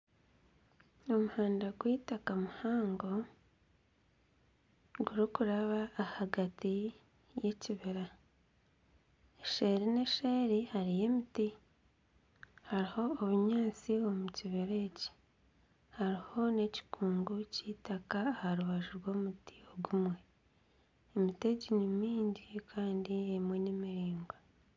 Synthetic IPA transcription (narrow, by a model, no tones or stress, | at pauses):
o̞muhaːndaɡwiːtakamuhaːŋɡo̞ | ɡuɾikuɾaβaːhaɡati | jeciβeɾa | eʃeɾine̞ʃeːɾihaɾije̞miti | haɾiho̞ːβuɲaːt͡sio̞muciβiɾe̞ci̥ | haɾiho̞ne̞ci̥kʰuːŋɡucitakaːhaɾuβaʒuɾwo̞ːmuti̥oɡumwe̞ | emite̞ɟinimiːɲɟikʰaːndiemwe̞nemiɾiːŋɡa